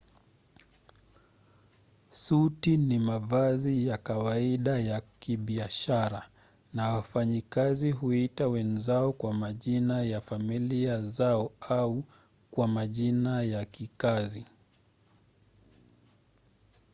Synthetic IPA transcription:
sutinimavazijakawaiɗajakiɓiaʃaɾa | nawafaɲikaziɦuitawɛnzaɔkwamaʄinajafamiliazaɔau | kwamaʄinajakikazi

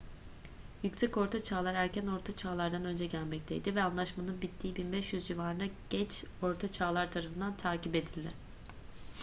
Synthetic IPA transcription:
jycsɛco̞ɾt̪ʰat͡ʃʰaːlˠaɾæɾcæno̞ɾt̪ʰat͡ʃʰaːlˠaɾd̪anø̞nd͡ʒɛɟælʲmɛc̚t̪ʰejd̪ivɛanlˠaʃmanɯnbit̪ʰːiːbinbɛʃjyzd͡ʒivaːɾɯnaɟ̥ɛt͡ʃo̞ɾt̪ʰat͡ʃʰaːlˠaɾt̪ʰaɾafɯnd̪ant̪ʰaːcipe̞d̪ilʲd̪ɪ

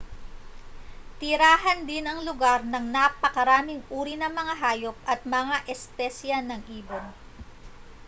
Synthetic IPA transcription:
t̪ɪɾaːɦɐnd̪ɪnɐŋlʊɡaɾnɐŋnapɐkɐɾaːmɪŋʔuːɾinɐŋmɐŋaɦaːjo̞p̚ʔɐt̪̚mɐŋaʔɛspɛsjɐnɐŋʔiːbon

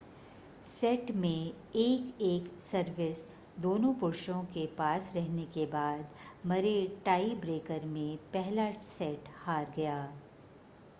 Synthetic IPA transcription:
sɛːʈmẽ | eːkeːksɐɾʋɪs | d̪oːnõpʊɾʃõkepaːsɾɛɦnekebaːd̪mɐɾeʈaːibɾeːkəɾmẽpɛɦlasɛːʈhaːɾɡɐjaː

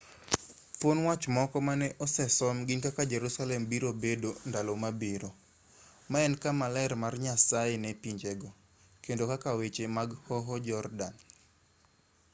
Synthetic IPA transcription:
fonwat͡ʃmɔkɔmanɛʔɔsɛsɔmɡinkakad͡ʒɛɾusalɛmbiɾobedondalomabiɾo | maɛnkamalɛɛɾmarɲasaenɛpiɲd͡ʒeɡɔ | kendokakawet͡ʃemaɡhɔɦɔd͡ʒɔrdan

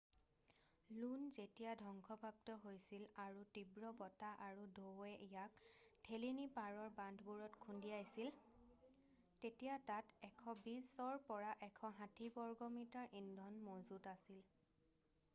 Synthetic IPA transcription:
lunzetijadʱɔŋkʰɔpap̚tɔɦojsilaɹutibɹɔbɔtaʔaɹudʱowɛʔijaktʰelinipaɹɔɹbandʱbuɹɔtkʰundiajsil | tetijatatɛkʰɔbisːɔɹpɔɹaʔɛkʰɔɦãtʰibɔɹɡɔmitaɹʔindʱɔnmozutasil

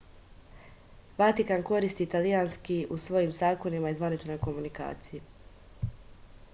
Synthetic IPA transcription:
ʋat̪ikanko̞ɾist̪it̪alijaːnskiʔusʋo̞jimsaːko̞nimaizʋanit͡ʃno̞jko̞munika̰ːt̪siji

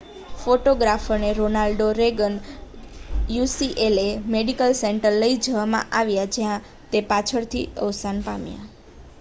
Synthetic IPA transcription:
foʈoɡɾafʰəɾneɾonalɖoɾeɡən | jusiʔelemeɖikəlseɳʈəɾləid͡ʒəʋamã̰ʔaʋjad͡ʒjã | t̪epat͡ʃʰəɾt̪ʰḭə̰ʋsanpamja̰

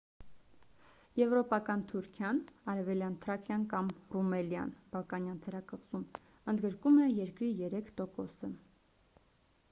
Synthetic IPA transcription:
jɛvɾɔpɑkɑnt̪ʰuɾkʰjɑnɑɾɛvɛljɑnt̪ʰəɾɑkʰjɑnkɑmrumɛljɑ̰nb̥ɑlkɑnjɑnt̪ʰɛɾɑkəʁzum | ənd̪ɡəɾkumɛjɛɾkɾijɛɾɛkʰt̪ɔkɔsə

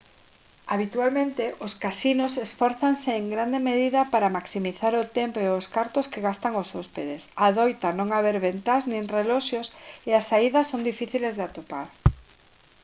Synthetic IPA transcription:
aβit̪ualmẽnt̪ɪʔʊskasinʊsesfɔɾθaŋseːŋɡɾand̪emeðiðɐpaɾamaksimiθaɾʊt̪empoeʊskaɾt̪ʊskeɣast̪aŋosɔspeðesaðɔjt̪anõŋaβeɾβent̪aznĩŋrelɔʃjoseasaiðɐsːond̪ifiθilezðeat̪opaɾ

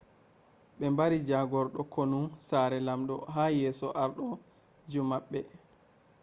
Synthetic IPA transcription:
ɓɛmbaɾid͡ʒaɡɔɾɗɔkʰonusaɾɛlamɗɔɦaːjɛːsɔʔaɾɗɔ | d͡ʒumːaɓːɛ

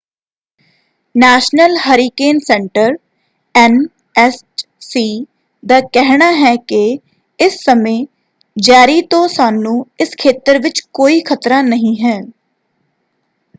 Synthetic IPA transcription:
nɛːʃnəlɦəɾiːkeːnsɛɳʈəɾ | ɛn | ɛsʈ | siː | d̪aːkɛɦɽaːɦɛːkɪ | ɪsːəmẽː | d͡ʒaːɾiːt̪õːsaːnũːɪskʰeːt̪əɾʋɪt͡ʃkoːiːkʰət̪ɾaːnəɦĩːɦɛː

